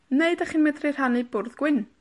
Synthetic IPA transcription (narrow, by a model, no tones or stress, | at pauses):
neɨdaχinmɛdrɪr̥anibʊrðɡ̥wɪn